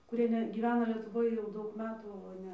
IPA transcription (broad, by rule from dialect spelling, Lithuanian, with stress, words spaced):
kʊˈrʲiɛ ˈnʲɛ ɡʲiːˈʋʲæːnɐ lʲiɛtʊˈʋoːj jɛʊ ˈdɐʊk ˈmʲæːtuː oː ˈnʲɛ